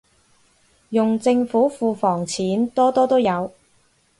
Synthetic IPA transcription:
jʊ˨ŋt͡sɪ˧ŋfuː˨˥fuː˧fɔː˨˩ŋt͡sʰiː˨˥nt̪ɔː˥t̪ɔː˥t̪o˥wjɐ˨˧w

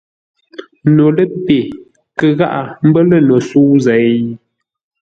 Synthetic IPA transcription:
no˨lə˦pe˨ | kə˨ɣa˦ʔa˨m̩˦bə˦lə˦˨no˨suː˦zɛ˨˦

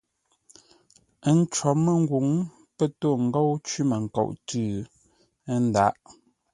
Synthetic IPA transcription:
ə˦˨n̩˦t͡ʃɔ˨˦mə˨ŋ˦ɡwu˨˦ŋ | pə˦to˦˨ŋ̩˦ɡo˦wt͡ʃɥi˦mə˨ŋ̩˨ko̰˨ʔtʉ˦ | n˦da˦ʔ

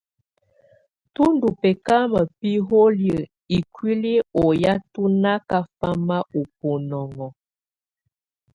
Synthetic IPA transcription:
tu˦ndu˨pɛ˨ka˦mə˨pi˦ɦo˦ljə˨ | i˨kwi˦li˦o˨ja˦tu˦na˦ka˦fa˦ma˦o˨po˨nɔ˨ŋɔ˨

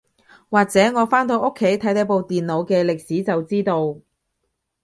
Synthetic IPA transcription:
waː˨k̚t͡sɛː˨˥ŋɔː˨˧faː˥nt̪o˧wʔo˥kʰːe˨˥jt̪ʰɐ˨˥jt̪ɐ˨˥po˨˧wt̪iː˨nlo˨˧wkɛː˧lɪ˨k̚siː˨˥t͡sɐ˨wt͡siː˥t̪o˧w

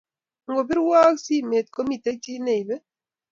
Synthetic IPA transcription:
ŋ̩˦ɡo˨bi˦ɾwa˦ksi˦˨me˨t̚ko˦mi˦˨te˦t͡ʃi˦ne˨i˨be˦

